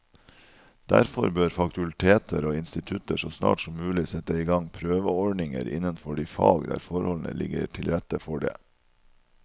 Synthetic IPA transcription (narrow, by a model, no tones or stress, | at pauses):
d̪̥æɾfɔɾbøːɾfɑkt̪ʉlt̪ʰeːt̪ʰəɾoːɪnst̪ɪt̪ʰʉt̪əʂosnɑ̰ːʈsɔmmʉːlɪsɛt̪əɪɡɑŋpʰɾøːʋəɔɖɳɪŋə̰ɾɪ̰nənfɔɖiːfɑːɡd̪æ̰ːɾfɔɾhɔln̩ə̰lɪɡə̰ɾʈʰɪlɾɛt̪əfɔɖḛː